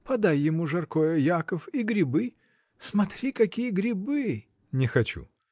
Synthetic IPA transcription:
pɐd̪ajːɪmuʐɐrkojəjakəfiɡɾʲɪbɨ | smɐt̪ɾʲikɐkʲijəɡɾʲɪbɨ | nʲɪxɐt͡ɕṵ

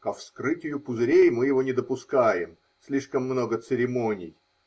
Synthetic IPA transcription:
kəfskɾɨtʲɪjʊpʊzɾʲejmɨjɪvonʲɪd̪əpʊskajɪm | sʲlʲiʂkəmːno̞ɡət̪sɨɾʲɪmonʲɪ̰j

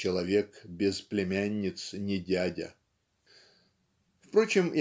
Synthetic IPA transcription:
ɪlˠɐvʲekbʲɪzplʲɪmʲænʲːɪt̪snʲɪdʲædʲə̰ | fpɾot͡ɕɪmj

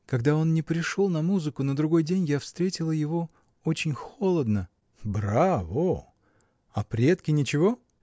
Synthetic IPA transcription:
kɐɡd̪ao̞nnʲɪpɾʲɪʂolˠnɐmuzɨkʊnəd̪ɾʊɡo̞jdʲenʲjafst̪ɾʲetʲɪlˠəjɪvo̞ | o̞t͡ɕɪnʲxo̞lˠəd̪nə | bɾavo | ɐpɾʲet̪kʲɪnʲɪt͡ɕɪvo̞

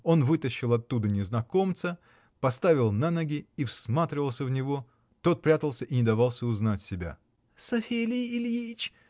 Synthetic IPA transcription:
o̞nvɨt̪əɕːɪlˠɐt̪ːud̪ənʲɪznɐko̞mt̪sə | pɐst̪avʲɪlˠnanɐɡʲɪifsmat̪ɾʲɪvəlˠsʲəvnʲɪvo̞ | t̪o̞t̪̚pɾʲat̪əlˠsʲəʔinʲɪd̪ɐvɑlˠsʲəʊznatʲsʲɪbʲa̰ | sɐfʲelʲɪjɪlʲjit͡ɕ

